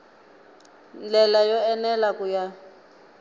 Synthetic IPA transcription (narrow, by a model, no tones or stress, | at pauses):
nd͡ɮɛlajɔɛnɛlakuja